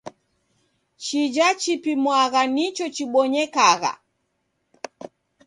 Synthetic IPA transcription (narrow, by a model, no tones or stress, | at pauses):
t͡ʃid͡ʒat͡ʃipimwaɣanit͡ʃɔt͡ʃiɓɔɲɛkaɣa̰